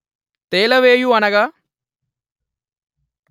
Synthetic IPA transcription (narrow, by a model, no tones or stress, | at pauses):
t̪eːlɐʋeːjuɐnɐɡa